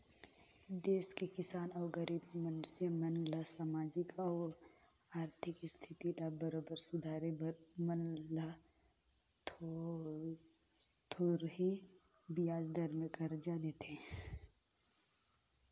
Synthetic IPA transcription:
d̪eːskekɪsaːnɔːɾɡəɾiːbmənsemɐnlasaːmaːd͡ʒɪkɔː | aːɾt̪ʰɪkst̪ʰɪt̪ilabəɾoːbəɾsʊd̪ʱaːɾebɾməla | t̪ʰoɾɦi | bijaːd͡ʒd̪ɐɾmə̃kɐɾd͡ʒad̪eːt̪ɛ̃

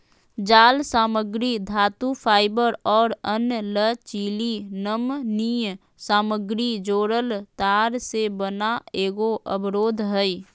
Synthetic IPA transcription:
d͡ʒaːlsaːməɡɾid̪ʱaːt̪upʰaːɪbəɾɔːɾənlət͡ʃiːlinəmnij | saːməɡɾid͡ʒoːɾəlt̪aːɾsebənaeːɡoʔə̰bɾoːd̪ʱɦɛi

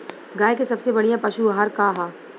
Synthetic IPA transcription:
ɡaːekesɐbsebɐɽijãpɐʃuɦɐɾkaɦaː

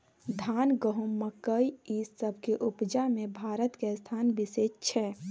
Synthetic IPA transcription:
d̪ʱaːnɡəɦumːəkəiisəbʱkeʔupd͡ʒamẽbʱaːɾət̪kest̪ʰaːnbiseːd͡ʒt͡ʃʰɛː

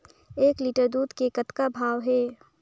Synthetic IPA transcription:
eːkliːʈəɾd̪uːd̪kekət̪kabʱaːʋɦɛː

